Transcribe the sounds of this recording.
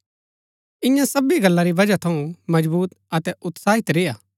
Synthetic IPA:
ɪ̃jãsɐbiɡɐlːaɾiʋɐd͡ʒat̪ʰɐũmɐd͡ʒbuːt̪ɐt̪ɛʔʊt̪saːɦɪt̪ɾejaː

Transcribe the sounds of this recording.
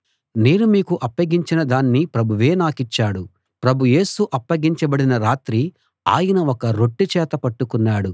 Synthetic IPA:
neːnumiːkuʔɐpːɐɡiɲt͡ʃinɐd̪aːnːipɾɐbʱuʋe̞ːnaːkit͡ʃːaːɽu | pɾɐbʱuje̞ːsuʔɐpːɐɡiɲt͡ʃɐbɐɽinɐɾaːt̪ɾi | a̰ːjɐnɐɔkɐɾo̞ʈːit͡ʃɛːt̪ɐpɐʈːukunːaːɽu

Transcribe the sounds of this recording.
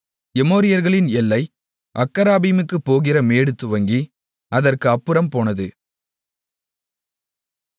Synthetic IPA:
ɛmoːɾɪjɐɾɣɐɭɪnɛlːɐɪ | ʔɐkːɐɾaːbimɯkːɯpːoːɣɪrɐmeːɽɯt̪ːɯʋɐŋɡi | ɐðɐrkɯɐpːɯɾɐmpoːnɐðɯ

